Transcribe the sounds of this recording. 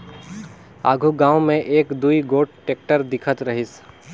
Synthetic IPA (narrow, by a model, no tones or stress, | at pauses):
a̰ːɡʱuɡãːwmẽʔeːkd̪uiɡoːʈ̚ʈeːk̚ʈəɾd̪ɪkʰət̪ɾəɦɪs